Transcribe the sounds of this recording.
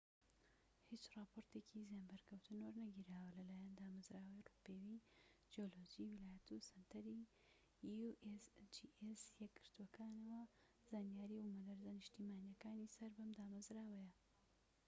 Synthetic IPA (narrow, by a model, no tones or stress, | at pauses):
hit͡ʃrɑːpʰoɾt̪ecʰizjanbɐɾkʰɐwt̪ʰɨnwoɾnɐɡiːɾaːwɐlɐlaːjand̪aːmɐzɾaːwɐjrupewid͡ʒiolod͡ʒiwilaːjɐt̪usɐnt̪ʰɐɾi | uʔesd͡ʒiʔesjɛɡɨɾt̪uwɐkʰaːnɐwɐ | zaːnijaːɾiumɐd̪ɐɾzɐniʃt̪iːmaːnijɐkaːnisɐɾbɐmd̪aːmɐzɾaːwɐjɐ